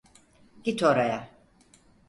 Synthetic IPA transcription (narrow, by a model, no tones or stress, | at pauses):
ɡ̥it̪ʰoɾaja